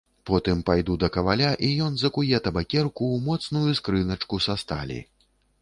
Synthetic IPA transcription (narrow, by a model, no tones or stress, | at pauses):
pɔt̪ɨmpajd̪ud̪ɐkɐvalʲaʔijɔnzɐkujɛt̪ɐbakʲɛrkuːmɔt̪snujuskɾɨnɐt͡ʂkusast̪a̰lʲḭ